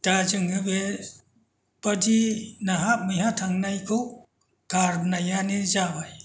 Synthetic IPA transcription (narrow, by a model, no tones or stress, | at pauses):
tad͡ʒɯŋɯbe | pədinaɦap̚mɯjɦatʰaŋnajkʰɯw | kaɾnajanizabaj